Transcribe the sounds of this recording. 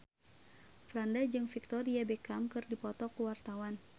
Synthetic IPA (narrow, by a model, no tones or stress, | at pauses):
fɾandad͡ʒɨŋfik̚t̪ɔɾiabɛkamkɨrdipɔt̪ɔkuwart̪awan